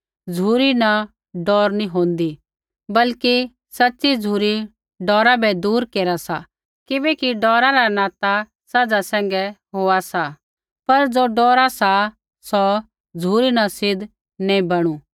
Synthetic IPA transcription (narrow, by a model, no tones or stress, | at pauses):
d͡zʱuːɾina | ɖɔːɾnĩɦõːnd̪i | bɐlki | sɐtːsid͡zʱuːɾi | ɖɔːɾabɛd̪uːɾkeːɾasa | kɪbɛkiɖɔːɾaɾanaːt̪a | sɐd͡zasɛ̃ːŋɡɛɦoːasa | pɐɾd͡zoɖɔːɾasa | sɔ | d͡zʱuːɾinasɪd̪ | nɛ̃ĩbɐɽ̃u